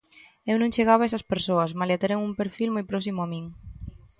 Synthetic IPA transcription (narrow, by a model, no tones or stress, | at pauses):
ewnũŋʃeɣ̞aβ̞aesaspeɾsoasmaljat̪eɾeŋumpeɾfilmojpɾɔsimuamiŋ